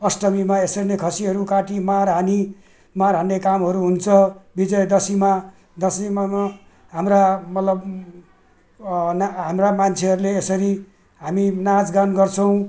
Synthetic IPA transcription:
ʌsʈʌmimaesʌrnekʰʌsiɦʌɾukaʈimarɦani | maɾɦanekamɦʌɾuɦunt͡sʰʌbid͡zʌjd̪ʌsima | d̪ʌsima | ɦamramʌt̪lʌb | nɦamramant͡sʰeɦʌɾuleːsʌɾi | ɦaminad͡zɡanɡʌrt͡sʰʌw̃

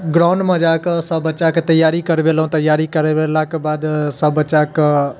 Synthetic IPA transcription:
ɡɾaːnmɐd͡ʒaːksɐbət͡ʃaːkt̪ɐjaːɾikɐɾʋelõt̪ɐjaːɾikɐɾeʋelaːkbaːd̪sɐbət͡ʃaːk

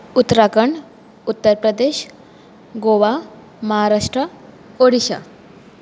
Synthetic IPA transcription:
ut̪ɾakəɳ | ut̪ːəɾpɾəd̪eːʃ | ɡoʋa | məɦaɾaʂʈɾə | oɽiɕa̰

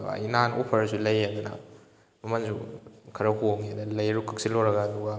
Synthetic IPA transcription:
a̰inanupʰɐɾsulɐjɐd̪unɐ̰ | mɐmɐnzukʰɐɾɐhoŋiɐd̪alɐjɾukʰɐk̚siloɾɐɡaːd̪uɡa

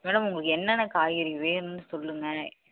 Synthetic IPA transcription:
mɛːɽɐmʊŋɡɐɭɯkːɛnːɐnːɐkaːjɪɾiʋeːnnɯsɔlːɯŋɡɐ

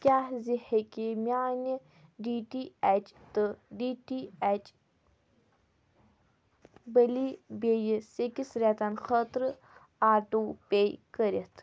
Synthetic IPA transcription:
kʲaːhzihekimjaːni | ɖiʈiat͡ʃt̪ɨɖiʈiat͡ʃ | bəlibejisekisɾʲat̪anxət̪ɾɨ | aːʈupejkəɾet̪

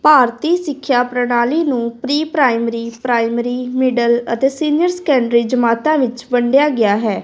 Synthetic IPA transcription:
paːɾt̪iːsɪkʰːjaːpɾəɽaːliːnũːpɾiːpɾaːɪmɾiːpɾaːɪmɾiːmɪɖələt̪eːsiːnɪjəɾsə̥kɛ̃ːɳɖɾiːd͡ʒəmaːt̪ãːʋɪt͡ʃbəɳɖjaːɡɪjaːɦɛː

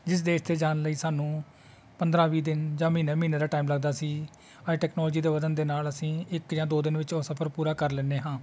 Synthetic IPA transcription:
d͡ʒɪs̬d̪eːʃt̪eːd͡ʒaːnləiːsaːnũː | pənd̪ɾãːʋiːd̪ɪnd͡ʒãːmĩːneːmiːneːd̪aːʈaːimləɡ̚d̪aːsiː | aʈɛːknɔːld͡ʒiːd̪eːʋəd̪ənd̪eːnaːləsĩːɪkd͡ʒãːd̪oːd̪ɪnʋɪt͡ʃoːsəpʰəɾpuːɾaːkəɾlɛːneːɦãː

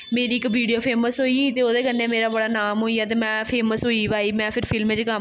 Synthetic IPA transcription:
meːɾiːɪkʋiːɖijoːpʰeːməsɦoːiːt̪eːoːd̪eːkənːeːmeːɾaːbəɽaːnaːmɦoːiːaːt̪̬eːmɛ̃ːpʰeːməsɦoːiːbaːiːmɛ̃ːpʰɪɾpʰɪlmẽt͡ʃkə

